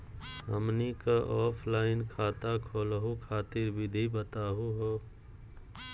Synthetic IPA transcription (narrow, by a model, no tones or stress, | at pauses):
ɦəmnikaʔɔːpʰlaːɪnkʰaːt̪akʰoːlɦokʰaːt̪ɪɾbʱid̪ʱibət̪aːɦoɦoː